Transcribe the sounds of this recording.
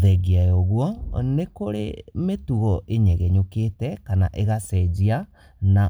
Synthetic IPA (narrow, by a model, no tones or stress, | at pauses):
ðɛɡiajoɣwɔnekoɾḛmetuɣɔʔeɲɛɣɛɲoketɛkana̰ʔeɣasɛd͡ʑia | na